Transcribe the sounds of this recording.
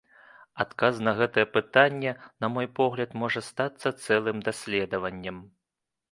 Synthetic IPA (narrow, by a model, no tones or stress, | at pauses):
at̪kaznɐɣɛt̪ɐjɛpɨt̪anʲːɛnɐmɔjpɔɣlʲɐt̪mɔʐɐst̪at̪sːɐt̪sɛlˠɨmd̪asʲlʲɛd̪ɐvɐnʲːɛm